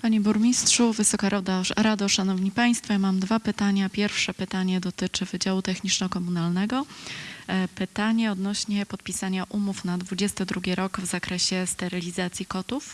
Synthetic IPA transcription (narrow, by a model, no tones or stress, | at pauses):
paɲebuɾmʲistʂuvɘsɔkaɾad̪aɾad̪ɔʂanɔvɲipaj̃st̪fɔjamamd̪vapɘt̪aɲapʲjɛɾfʂɛpɘt̪aɲɛd̪ɔt̪ɘt͡ʂɘvɘd͡ʑawut̪ɛxɲit͡ʂnɔkɔmunalnɛɡɔ | pɘt̪aɲɛɔd̪nɔɕɲɛpɔt̪̚pʲisaɲaʔumufnad̪vud͡ʑɛst̪ɘd̪ɾuɡʲiɾɔɡvzakɾɛɕɛst̪ɛɾɘlʲizat̪sʲjikɔt̪uf